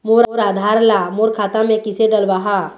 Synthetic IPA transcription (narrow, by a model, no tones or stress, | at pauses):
moːɾoɾaːd̪ʱaːɾlamoːɾkʰaːt̪ãmẽkɪseɖəlʋaɦa